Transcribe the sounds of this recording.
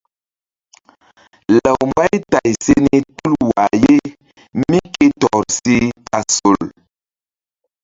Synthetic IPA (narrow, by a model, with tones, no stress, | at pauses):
lə˨wmba˦jta˨jse˦ni˨tu˦lwa˨je˦ | mi˦ke˦tɔ˨ɾsi˦a˨so˨l